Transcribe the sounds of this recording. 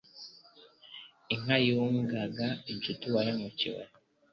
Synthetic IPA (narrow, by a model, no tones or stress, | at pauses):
iŋajuːŋɡaɡaiɲt͡ʃituwajemucḭwḛ